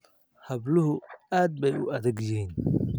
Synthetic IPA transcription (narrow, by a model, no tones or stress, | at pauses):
hɐblʊɦʊaːd̪̚bɛjʊʔɐðɐɡjɪhiːn